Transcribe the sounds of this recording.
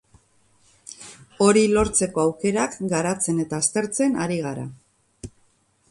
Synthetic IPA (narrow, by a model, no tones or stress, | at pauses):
o̞ɾilo̞ɾt͡se̞ko̞awke̞ɾakɡaɾat͡se̞ne̞t̪aːst̪e̞ɾt͡se̞naɾiɣ̞aɾa̰